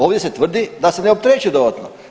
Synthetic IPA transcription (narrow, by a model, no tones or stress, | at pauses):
o̞ːʋd̪jese̞t̪ʋr̩d̪id̪aseneop̚t̪ɾeːt͡ʃud̪od̪at̪no̰